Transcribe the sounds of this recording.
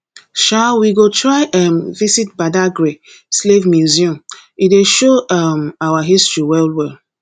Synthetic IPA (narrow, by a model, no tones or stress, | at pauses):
ʃawiɡotʰɹaɪʔamvisit̚badaɡɹe | slevmjuziɔ̃mideʃoamawaɦistɹiwɛlwɛl